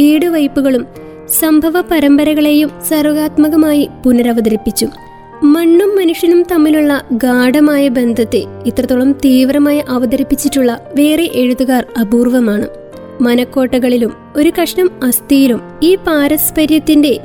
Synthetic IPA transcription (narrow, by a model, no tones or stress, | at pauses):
iːɽɨʋɐjpːuɣɐɭum | sɐmbʱɐʋɐpɐɾɐmbɐɾɐɣɐɭe̞jumsɐrɣaːt̪mɐɣɐmaːjipunɐɾɐʋɐd̪ɐɾipːit͡ɕːu | mɐɳːumːɐnuʂjɐnumt̪ɐmːiluɭːɐɡaːɖɐmaːjɐbe̞nd̪ʱɐt̪ːɨit̪rɐt̪ːuɭɐmt̪iːʋrɐmaːjɐʔɐʋɐd̪ɐɾipːit͡ɕːitːuɭːɐʋe̞ːreʔe̞ɻuðuɣaːrɐbuːrʋɐmaːɳɨ̰ | mɐnɐkːo̞ːʈːɐɣɐɭilum | o̞ɾukɐʂɳɐmɐst̪ijilum | iːpaːɾɐspɐɾjɐt̪ːinde̞